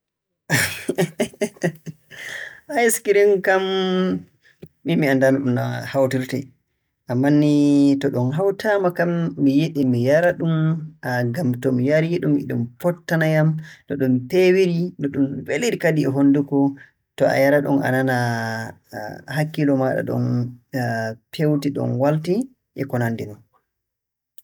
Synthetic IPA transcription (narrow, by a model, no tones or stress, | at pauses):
ʔajskiɾiŋkam | imiandanaɗunahawtiɾtɛ̰ | ʔamːanːitɔɗɔnɦawtʰamakamːijeɗimijaɾaɗumaɡamtɔmijaɾijeɗumːḭɗumfɔtːanajamɗɔɗumpewiɾinɔɗunveliɾikadiɛɦondukɔ | tɔa̰jaɾaɗɔnʔa̰nana | ɦakːilɔmaɗa̰ɗɔ̰n | pʰewtiɗɔ̰nwalti | ʔɛkɔnandinɔn